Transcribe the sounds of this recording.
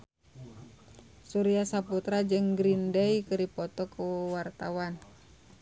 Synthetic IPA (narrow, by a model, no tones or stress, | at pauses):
suɾiasaput̪ɾad͡ʒɨŋɡɾindɛikɨɾipɔt̪ɔkuwart̪a̰wan